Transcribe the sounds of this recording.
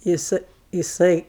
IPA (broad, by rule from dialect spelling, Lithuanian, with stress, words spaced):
jɪˈsɜ jɪˈsɐɪ